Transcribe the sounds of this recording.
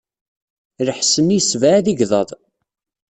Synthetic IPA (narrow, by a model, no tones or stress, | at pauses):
ɾəħsənːisvaðiʝðˤɑðˤ